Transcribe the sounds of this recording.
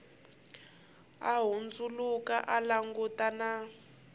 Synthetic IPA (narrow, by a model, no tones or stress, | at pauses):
aɦund͡zulukaʔalaŋɡutana